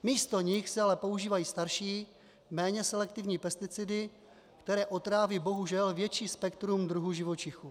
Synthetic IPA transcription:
miːst̪o̞ɲɪxsɪalɛpo̞uʒiːvajiːst̪aɾʃiː | mɛːɲɛsɛlɛk̚t̪ɪvɲiːpɛst̪ɪt͡sɪdɪ | kt̪ɛɾɛːʔo̞t̪ɾaːvibo̞ɦuʒɛlvjɛt͡ʃiːspɛkt̪ɾumd̪ɾuɦuʒɪvo̞t͡ʃɪxu

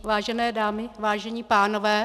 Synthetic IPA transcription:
vaːʒɛnɛːdaːmɪvaːʒɛɲiːpaːnovɛː

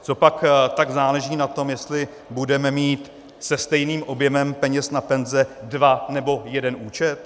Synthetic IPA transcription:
t͡so̞pakt̪aɡzaːlɛʒiːnat̪o̞mjɛst̪lɪ | budɛmɛmiːt̪ | sɛst̪ɛjniːmʔo̞bjɛmɛmpɛɲɛsnapɛnzɛdvanɛbo̞jɛdɛnuːt͡ʃɛt̪

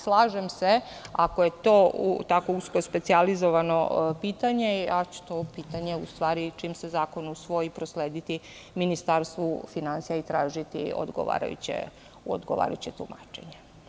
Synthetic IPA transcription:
slˠaːʒemse | akoje̞t̪oːṵt̪ako̞uskospet̪sializoʋano̞̰piːt̪aɲe̞at͡ɕu̥t̪opiːt̪aɲe̞ust̪ʋaːɾit͡ʃiːmsezaːko̞nusʋo̞jipɾosleːd̪it̪iminist̪aːɾst̪ʋufinansijait̪ɾaːʒit̪ḭo̰d̪ɡo̰ʋa̰ːɾa̰jṵt͡ɕḛ | o̰d̪ɡoʋa̰ːɾa̰jut͡ɕet̪uma̰t͡ʃe̞̰ɲe

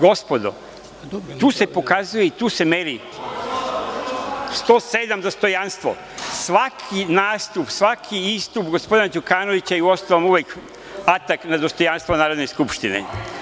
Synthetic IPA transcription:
ɡo̞spo̞d̪o̰ | t̪uːse̞po̞kazujeit̪uːse̞meɾi | st̪o̞ːsed̪amd̪o̞st̪o̞janst̪ʋo̰ | sʋakʰinaːst̪upsʋakʰiist̪upɡo̞spo̞d̪inad͡ʒukaːnoʋit͡ɕajiuost̪aʋomuʋek | at̪aknad̪o̞st̪o̞janst̪vonaːɾod̪neskupʃt̪inḛ

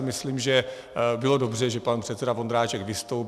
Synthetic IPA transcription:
mɪsliːmʒɛ | bɪlo̞do̞br̝ɛʒɛpanpr̥ɛt̪sɛdavo̞nd̪ɾaːt͡ʃɛɡvɪst̪o̞wp

